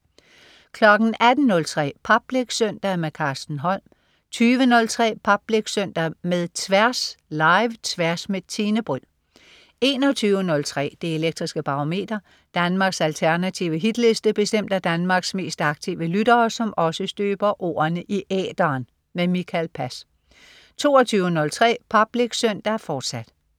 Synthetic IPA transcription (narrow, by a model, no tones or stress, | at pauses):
kʰlɒ̽ɡ̥n̩æd̥n̩ːɔ̽lt͡sʰʁɛ̰ːpʰɑb̥leɡ̥søn̰d̥ɐmekʰɑ̈ːsd̥n̩ɦɒ̽l̰m | t͡sʰyːʋənɔ̽lt͡sʰʁɛ̰ːpʰɑb̥leɡ̥søn̰d̥ɐmeðˠt͡sʰʋæɐslɑ̈ɪʋt͡sʰʋæɐsmet͡sʰiːnəb̥ʁyl | e̝ːnɒt͡sʰyːʊənɔ̽lt͡sʰʁɛ̰ːd̥e̝e̝leɡ̥̚d̥ʁisɡ̥əb̥ɑ̈ome̝̰ːd̥ɐ | d̥ænmɑ̈ːɡ̥sælt͡sʰæɐnæt͡sʰiʊəɦid̥le̝sd̥əb̥e̝sd̥em̰d̥æd̥ænmɑ̈ɡ̥sme̝̰ːsd̥ɑ̈ɡ̥̚t͡sʰiʊəlyd̥ɐːsɒ̽mɒ̽səsd̥øːb̥ɐʔo̝̰ːɐnəʔiʔɛ̰ːd̥ɐːn | memikʰælpʰæs | t͡sʰo̝ːɒt͡sʰyːʊənɔ̽lt͡sʰʁɛ̰ːpʰɑb̥leɡ̥søn̰d̥ɐfɒːd̥sæd̥